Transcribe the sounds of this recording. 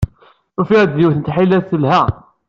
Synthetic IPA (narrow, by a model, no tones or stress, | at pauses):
ufiʁd̪ðjuθənt̪ħilːæθəlhæ